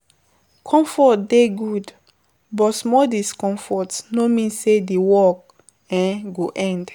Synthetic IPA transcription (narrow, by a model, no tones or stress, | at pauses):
kʰɔ̃mfɔt̚deɡud | bɔtsmɔdiskɔ̃ɱfɔtsnomĩnsedewɔk̚ | ɛ̃nɡoʔɛ̃nd